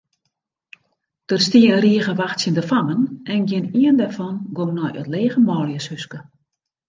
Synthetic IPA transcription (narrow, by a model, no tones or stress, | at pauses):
d̥ərstiəənriəɣəʋaxtsjəndəfamənɛnɡjɪniəndɛrfɔnɡomnɔjʔə̰tleːɣəmɔːljəshøskə